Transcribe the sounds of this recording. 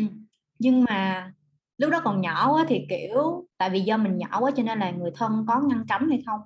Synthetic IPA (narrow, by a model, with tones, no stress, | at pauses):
ʔɨ˨˩ | ɲɨ˧ŋmaː˨˩ | lʊ˦˥k͡p̚ɗɔ˨˦kɔ˨˩nɲɔ˧˩ʔaː˨˦t̪ʰi˨˩ki˧˩˨əwt̪a̰ː˧˨jvi˨˩zɔ˧mï˨˩ŋ̟ɲɔ̰˧˩˨wʔaː˨˦t͡ɕɔ˧ne˧nlaː˨˩ŋɨ˨˩əjt̪ʰə˧nkɔ˨˦ŋa˧nt͡ɕa˨˦wmha˧jxə˧wŋ͡m